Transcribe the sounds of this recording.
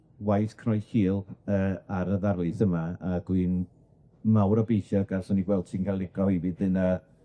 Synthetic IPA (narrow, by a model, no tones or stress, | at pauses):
wajθkʰrɔjhiːlˠəːaɾəðarlˠɨθəmaaɡ̥win | mawɾɔbejʃɔɡ̥arsɔniɡwɛlˠd̥̚tʰiːnkʰalˠɪɡɔhivɨdðɨna